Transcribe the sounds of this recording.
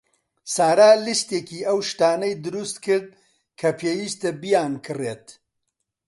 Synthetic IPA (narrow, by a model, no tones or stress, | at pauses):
saːɾaːlist̪eːkiːɐwʃt̪aːnɐjd̪ɨɾust̪kʰɨɾd̪̚ | kʰɐpʰeːwiːst̪ɐbijaːnkʰɨreːt̪